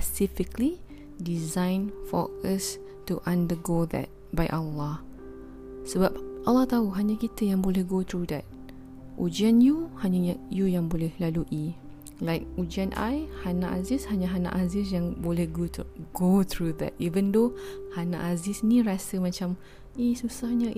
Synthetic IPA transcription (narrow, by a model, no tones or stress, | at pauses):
spəsifɪkli | dizãjnfɔ̰əs | tuʔãndəɡoðɛ̰t̚bajʔalːɑh | səbap̚ʔalːɑht̪auɦaɲakit̪əjãŋbolɛhɡot̪ɹud̪ɛt̚ | ʔud͡ʒianjuhaɲajujãŋbolɛhlaluʔi | lajk̚ud͡ʒianʔa̰jhana̰ʔa̰zishaɲaɦanã̰ʔazɪsjãŋbolɛhɡot̪uɡot̪ɹuðɛ̰t̚ivə̃nd̪ohanã̰ʔazɪsniɹasəmãt͡ʃam | isusahɲə